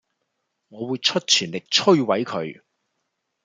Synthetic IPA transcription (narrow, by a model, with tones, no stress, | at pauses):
ŋɔː˨˧wuː˨˧jt͡ʃʰɵ˥t̚t͡ʃʰyː˨˩nlɪ˨k̚t͡ʃʰɵ˥ɥwɐ˨˥jkʰɵ˨˧ɥ